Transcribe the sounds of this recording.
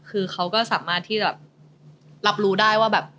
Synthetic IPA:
kʰɯː˧xʰa˦˥wkɔː˥˩sa̰ː˩˦maː˥˩t̪ʰːiː˥˩t͡ɕabɛː˨˩p̚ | la˦˥p̚ɾuː˦˥daː˥˩jwaː˥˩bɛː˨˩p̚

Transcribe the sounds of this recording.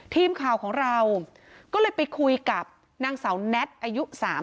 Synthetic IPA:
t̪ʰiː˧mkʰaː˨˩wkʰɔː˩˦ŋɾa˧w | kɔː˥˩lɤː˧jpa˧jkʰu˧jka˨˩p̚ | naː˧ŋsa˩˦wnɛ˦˥t̪̚ʔaː˧ju˦˥saː˩˦m

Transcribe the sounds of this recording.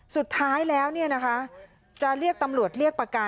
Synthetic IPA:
su˨˩t̪ʰːaː˦˥jlɛː˦˥wni˥˩ɐna˦˥kʰa˦˥ | t͡ɕa˨˩ɾi˥˩ək̚t̪a˧mɾu˨˩ət̪̚ɾi˥˩ək̚pɾa˧ka˧

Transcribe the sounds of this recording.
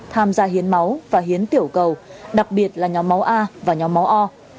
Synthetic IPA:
t̪ʰaː˧mzaː˧ɦi˨˦ənma˨˦wvaː˨˩ɦi˨˦ənt̪i˧˩əwkə˨˩wɗa˨˩k̚ɓi˨˩ət̚laː˨˩ɲɔ˨˦ma˨˦wʔaː˧vaː˨˩ɲɔ˨˦ma˨˦wʔɔ˧

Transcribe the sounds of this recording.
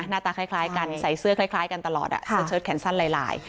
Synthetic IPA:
naː˥˩t̪aː˧kʰa˥˩jkʰlaː˦˥jka˧nsa˨˩jsɯ˥əkʰlaː˧˥˩jkʰlaː˦˥jka˧nt̪a˧lɔ̰ː˨˩t̪̚ʔa̰˨˩sʰɤː˧˥t͡ɕʰɤː˦˥t̪̚kʰɛː˩˦nsa˥˩nlaː˧jla̰ː˧j

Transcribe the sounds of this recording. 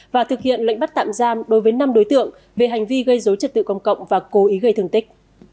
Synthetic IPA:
vaː˨˩t̪ʰɨ˨˩k̚hḭ˧˨ənlə̰˧˨jŋ̟ɓa˦˥t̚t̪a̰ː˧˨mzaː˧mɗo˨˦jvəː˨˦jna˧mɗo˨˦jt̪ɨ̰˧˨əŋ | ve˨˩ɦa˨˩jŋ̟vi˧ɣə˧jzo˨˦jt͡ɕə˨˩t̚t̪ɨ̰˧˨kə˧wŋ͡mkə̰˧˨wŋ͡mvaː˨˩ko˨˦ʔi˨˦ɣə˧jt̪ʰɨ˨˩əŋt̪ï˦˥k̚

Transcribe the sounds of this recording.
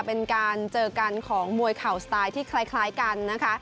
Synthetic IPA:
pe˧nkaː˧nt͡ɕɤː˧ka˧nkʰɔː˩˦ŋmu˧əjkʰa˨˩wsat̪aː˧jt̪ʰiː˥˩kʰla˦˥jkʰlaː˦˥jka˧nːa˦˥kʰa˦˥ʔ

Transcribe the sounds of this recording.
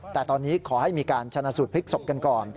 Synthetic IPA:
t̪ɛː˨˩t̪ɔː˧nːiː˦˥kʰɔː˩˦ha˥˩jmiː˧kaː˧nt͡ɕʰa˧na˧˥su˨˩t̪̚pʰi˦˥k̚so˨˩p̚ka˧nkɔː˨˩n

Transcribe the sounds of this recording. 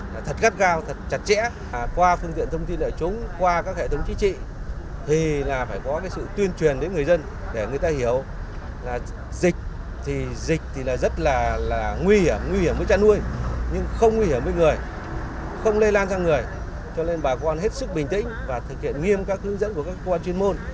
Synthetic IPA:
laː˨˩t̪ʰə˨˩t̚ɣa˦˥t̚ɣaː˧wt̪ʰə˨˩t̚t͡ɕa˨˩t̚t͡ɕɛ̰˧˥˨ | kwaː˧fɨ˧əŋt̪ḭ˧˨ənt̪ʰə˧wŋ͡mt̪i˧nʔəː˧˨˩t͡ɕʊ˨˦ŋ͡mkwaː˧kaː˦˥k̚hḛ˧˨˩ə˨˦wŋ͡mt͡ɕi˨˦t͡ɕḭ˧˨t̪ʰi˨˩laː˨˩faː˧˩jkɔ˨˦kaː˨˦jsɨ̰˧˨t̪wi˧ənt͡ɕwi˨˩ənɗe˨˦nŋɨ˨˩əjzə˧n | ɗe˧˩ŋɨ˨˩əjt̪aː˧hi˧˩əw | laː˨˩ | zi˨˩k̟̚ | t̪ʰi˨˩zï˨˩k̟̚t̪ʰi˨˩laː˨˩zə˦˥t̚laː˨˩laː˨˩ŋwi˧hi˧˩əmŋwi˧hi˧˩əmvəː˨˦jt͡ɕaː˧nʔu˧əjɲɨ˧ŋxə˧wŋ͡mŋwi˧i˧˩əmvəː˨˦jŋɨ˨˩əj | xə˧wŋ͡mle˧laː˧nsaː˧ŋɨ˨˩əj | t͡ɕɔ˧ne˧nɓaː˨˩kɔ˧nɦe˦˥t̚sɨ˦˥k̚ɓï˨˩ŋ̟t̪ḭ̈˧˥˦ŋ̟vaː˨˩t̪ʰɨ˨˩k̚hḭ˧˨ənŋi˧əmkaː˦˥k̚hɨ˨˦ŋzə̰˧˥nku˧˩əkaː˦˥kːə˧kwaː˧nt͡ɕwi˧ə˧nmo˧n

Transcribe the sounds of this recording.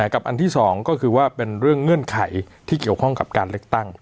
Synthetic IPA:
ɛː˩˦ka˨˩pʔa˧nt̪ʰiː˥˩sɔː˩˦ŋkɔː˥˩kʰɯː˧waː˥˩pe˧nɾɯ˥˩əŋːɯ˥˩ənkʰa˨˩˦j | t̪ʰiː˥˩ki˨˩əwkʰɔ˥˩ŋka˨˩p̚kaː˧nlɯ˥˩ək̚t̪a˥˩ŋ

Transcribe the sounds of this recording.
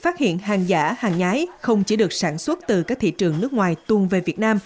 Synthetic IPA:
faː˦˥t̚hḭ˧˨ənɦaː˨˩ŋzaː˧˩haː˨˩ŋɲaː˨˦jxə˧wŋ͡mt͡ɕi˧˩˦ɗɨ˨˩ək̚saː˧˩nswə˦˥t̚t̪ɨ˨˩kaː˦˥k̚t̪ʰḭ˧˨t͡ɕɨ˨˩əŋnɨ˦˥ək̚ŋwaː˨˩jt̪u˨˩əŋve˨˩vi˨˩ət̚naː˧m

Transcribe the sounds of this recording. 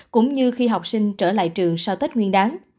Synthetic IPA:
kʊ̰˧˥ŋ͡mɲɨ˧xi˧ɦa˨˩wk͡p̚si˧ŋ̟t͡ɕəː˧˩la̰ː˧˨jt͡ɕɨ˨˩əŋsaː˧wt̪ə˦˥t̚ŋwi˧ənɗaː˨˦ŋ

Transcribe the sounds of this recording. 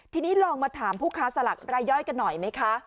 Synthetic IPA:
t̪ʰiː˧niː˦˥lɔː˧ŋmaː˧t̪ʰaː˩˦mpʰuː˥˩kʰaː˦˥sa˧la̰˨˩k̚ɾaː˧jːɔ˦˥˩jka˧nːɔ˨˩jma˦˥jkʰa˦˥

